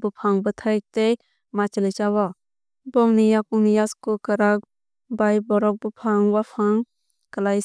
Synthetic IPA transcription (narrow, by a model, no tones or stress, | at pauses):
bupʰaŋbɯtʰaj̚tej | mat͡ʃilɯjt͡ʃawa | bɔŋnijakunijaskukəɾak̚ | bajbɔɾɔk̚bupʰaŋwapʰaŋ | kəlaj